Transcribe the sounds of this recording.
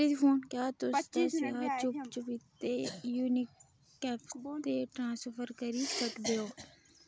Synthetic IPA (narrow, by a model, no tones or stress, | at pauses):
lifoːnkjaːt̪ʊsd͡ʒeːsaːt͡ʃʊpt͡ʃʊpɪt̪ːeːjuːnɪkː | ɛːpt̪eːʈɾãːsofəɾkəɾiːsəkd̪eːɦoː